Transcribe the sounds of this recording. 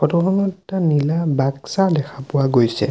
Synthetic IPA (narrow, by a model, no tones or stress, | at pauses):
ɔtɔɦʰɔnɔtanilabaksadɛkʰapʊwaɡojsɛ̰